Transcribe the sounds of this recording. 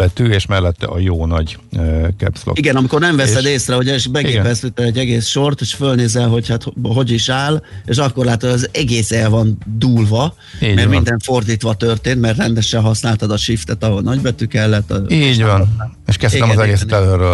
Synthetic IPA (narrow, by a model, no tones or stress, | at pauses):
ɛt̪yeːʃmɛlːɛt̪ːɛ̰ɒjoːnɒɟ | kɛ̰pslo̰iɡɛnɒmiko̞rnɛɱvɛsɛd̪eːsrɛɦoɟɛʃbɛɡeːpɛst̪yt̪ːɛd̪ɛɟːɛɡeːsʃo̞rt̪eʃfølneːzɛlɦo̞chat̪ɦo̞ɟiʃaːleːʃɒkːo̞rlaːt̪oɛzɛɡeːsɛlvɒnd̪uːlvɒ | iːmɛrmind̪ɛɱfo̞rd̪iːt̪ʋɒt̪ørt̪eːnt̪mɛrrɛnd̪ɛʃɛɦɒsnaːlt̪ɒd̪ɒʃift̪ɛt̪ɒɦo̞lnɒɟbɛt̪ykɛlːɛt̪ːɒ̰iːɟɒn | eʃkɛst̪ɛmzɛɡeːsɛlørːø